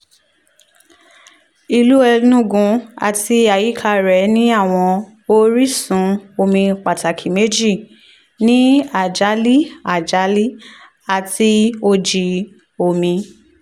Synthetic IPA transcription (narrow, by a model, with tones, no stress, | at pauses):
i˧lu˦ɛ˧nũ˦ɡũ˨˧a̰˧ti˧a˨ji˨˦kʰa˦˧ɾɛ˨˦nĩ˦a˦˨w̃ɔ̃˧ | o˦ɾi˦˨sũ˨˦o˧mĩ˧k͡pa˨ta˨kʰi˨me˦d͡ʒi˦˨ | nĩ˦a˨d͡ʒa˨˦li˦a˨d͡ʒa˨˦li˦ | a˨ti˧o˧d͡ʒi˧ | o˧˨mĩ˧